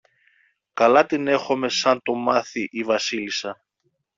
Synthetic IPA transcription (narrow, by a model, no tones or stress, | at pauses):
kɐlɐt̪ine̞xo̞me̞sɐnt̪o̞mɐθiʔivɐsilisɐ